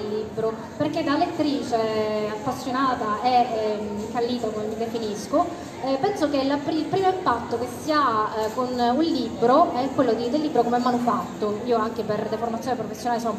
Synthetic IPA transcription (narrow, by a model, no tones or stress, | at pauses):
lːibɾo | perked̪alet̪ːɾiːt͡ʃeapːasːjonaːt̪aɛ | kːalːiːt̪akomemid̪efinisko | pɛnsokelapɾilpɾiːmoimpat̪ːokesːiakonulːibːɾoɛkːwelːod̪id̪elːibːɾokomɛmːanufat̪ːoiːoaŋkeperd̪eformat̪sjonepɾofesːjonaːleson